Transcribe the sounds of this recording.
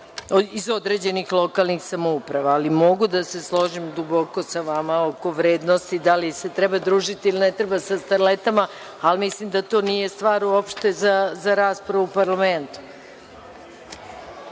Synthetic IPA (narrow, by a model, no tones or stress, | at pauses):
izo̞d̪ɾe̞ːd͡ʑe̞nixlˠo̞kalˠnixsamoupɾaʋaːlimo̞ɡud̪ase̞slˠo̞ʒimd̪ubo̞ko̞saʋamaoko̞ʋɾe̞ːd̪nost̪id̪alise̞t̪ɾɛbad̪ɾuːʒit̪iilinɛt̪ɾebasast̪aɾlet̪ama | almislimd̪at̪o̞ːnije̞st̪ʋaːɾuopʃt̪e̞zazaɾaːspɾaʋuupaɾlˠament̪u̥